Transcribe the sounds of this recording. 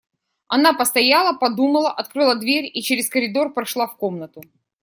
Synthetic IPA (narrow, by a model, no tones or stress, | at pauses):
ɐnapəst̪ɐjalˠəpɐd̪uməlˠəʔɐt̪̚kɾɨlˠəd̪vʲeɾʲit͡ɕeɾʲɪskəɾʲɪd̪o̞rpɾɐʂlˠafkomnət̪ʊ